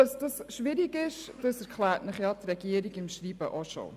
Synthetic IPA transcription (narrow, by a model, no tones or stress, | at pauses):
ɑsd̥ɑsʃʋɪɾiɡɪʃd̥ɑsɛɾkʰlæːɾtnəχjɑtrɛɡiəɾiɡɪmʃɾiːbə̰ʔoʃo̰